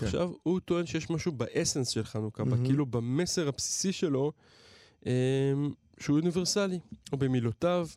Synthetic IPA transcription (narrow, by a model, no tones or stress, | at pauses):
aχʃa̰vhut̪o̞e̞nʃejeʃmaʃubaʔese̞nsʃelχanukabakkiilubame̞se̞ʁhapsi̥siʃe̞lo̞ | ʔem | ʃeuuniveʁsaliobe̞milotav